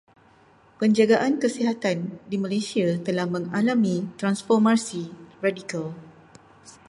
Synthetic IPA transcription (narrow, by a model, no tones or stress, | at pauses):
pəɲd͡ʒaɡaʔankəsiɦat̪andimãlasiat̪əlahmə̃ŋalamĩt̪ɾansfɔrmasiradikal